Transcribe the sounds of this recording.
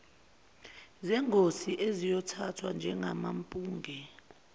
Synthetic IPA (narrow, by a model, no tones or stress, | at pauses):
zɛŋʱosiʔezijɔtʰatʰwand͡ʒʱɛŋamampʼuːŋʱɛ